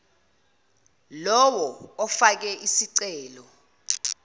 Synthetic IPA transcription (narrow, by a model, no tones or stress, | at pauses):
lɔwɔɔfak̬ɛʔisiǀɛːlɔ